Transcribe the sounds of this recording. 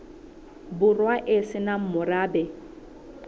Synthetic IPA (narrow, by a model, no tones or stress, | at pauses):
bʊrwaʔɪsɪnam̩mʊraːbɛ